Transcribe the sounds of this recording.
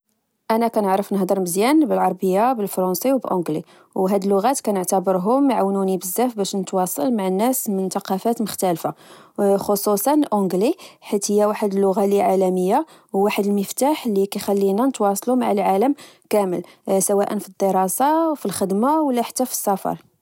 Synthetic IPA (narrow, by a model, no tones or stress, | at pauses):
ʔænækænəʕɾəfnəhd̪ˤəɾməzjænbəlʕɑɾˤbəjːabəlfɾɑnsiwbəlʔõɡlḭ | wɦæd̪əlːʊɣæt̪kænəʕt̪əbəɾɦʊmʕawnunibəzːæfbæʃnət̪wɑsˤɑ̰lmaʕənːæsmənt̪ɑqɑfæt̪məxt̪ælfaxosˤusˤɑnlʔʊ̃ɡliħit̪həjːæwaħəd̪əlːʊɣaliʕalæməjːa | wwaħəd̪əlməft̪aħlikæjxælːinænət̪wɑsˤlumaʕəlʕaləmkæməlsəwæʔənfid̪ːəɾˤɑsɑwfilxəd̪mawəlːæħə̥t̪ːæfi̥sːæfɑ̰ɾˤ